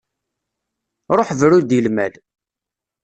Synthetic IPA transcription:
ɾˤoħvɾud̪jəlmæl

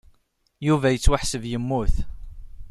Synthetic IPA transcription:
juvæjət͡sːwaħsəvjəmːʊθ

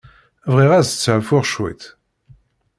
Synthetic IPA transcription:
vʁiʁæst͡sːʕfʊʁʃwḭt̪

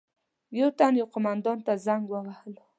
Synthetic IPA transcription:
jawt̪anjawqomand̪ɑnt̪azaŋɡwəwahəl

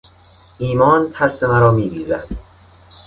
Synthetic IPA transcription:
ʔiːmɒːnt̪ʰæɾsemæɾɒːmiːbiːzæ̰d̪̥

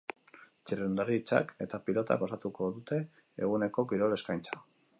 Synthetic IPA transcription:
t͡ʃiriund̪aɾit͡sa̰ke̞t̪apilo̞t̪a̰ɣo̞sat̪uko̞ðut̪e̞̰ː | ɣune̞ko̞kiɾo̞le̞skajnt͡sḁ

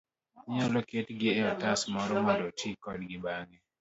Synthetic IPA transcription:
ɲɔlɔketɡɪɛɔtasmɔɾɔmɔdotʰikɔd̚ɡɪbaŋɛ

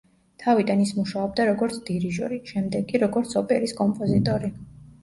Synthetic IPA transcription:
t̪ʰavid̪anismuʃaɔb̚d̪aɾɔɡɔɾt̪sʰd̪̥iɾiʒɔ̰ɾiʃɛmd̪ɛɡʼiɾɔɡɔɾt̪sʰɔpʼɛɾiskʼɔmpʼɔzit̪ʼɔɾi

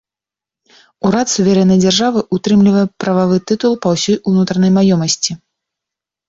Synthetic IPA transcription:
uɾat̪suvʲaɾɛnːɐjd͡zʲarʐavɨʔut̪ɾɨmlʲivɐjɛpɾɐvavɨt̪ɨt̪ulˠpɐwsʲɔjunut̪ɾɐnɐjmajɔmɐsʲt͡sʲi

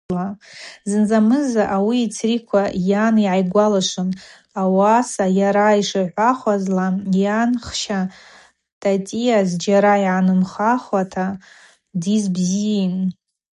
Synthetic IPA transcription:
lazɨnzamɨzaʔawiːt͡sʰrikʷʰajaniʕajɡʷalaʂʷɨn | awasajaɾaiʂɨʕʷaχʷazlajanχʃa | tʼatʼijazd͡ʒaɾaiʕanɨmχaχatʰa | dizbzin

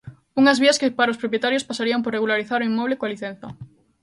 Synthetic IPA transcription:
uŋɐzβiɐskɪpaɾaospɾopjet̪aɾjospasaɾiamporeɣulaɾiθaɾoimːɔβ̞lekoaliθen̟θɐ̰

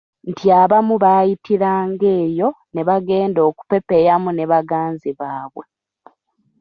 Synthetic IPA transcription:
ntiaβamuβaːjitiɾaːŋɡe̞ːjo̞ | ne̞βaɡe̞ːndo̞ːku̥pe̞pe̞jamune̞βaɡaːnziβaːβwe̞

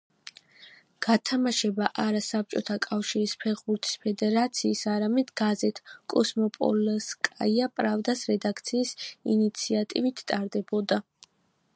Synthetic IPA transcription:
ɡ̥at̪ʰamaʃɛbaʔaɾasap̚t͡ʃʼɔt̪ʰakʼafʃiɾispʰɛʁbuɾt̪ʰi̥spʰɛd̪ɛɾat̪sʰiːsaɾamɛd̪ɡazɛt̪ʰkʼɔsmɔpʼɔ̰lskʼaiapʼɾavd̪asɾɛd̪akʰt̪sʰiːsḭnit̪sʰiat̪ʼivit̪ʰt̪ʼːaɾd̪ɛbɔd̪a

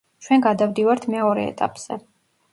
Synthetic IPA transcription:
t͡ʃʰwɛnɡad̪avd̪ivaɾt̪ʰmɛɔɾɛ̰ːt̪ʼa̰pʼz̥ɛ

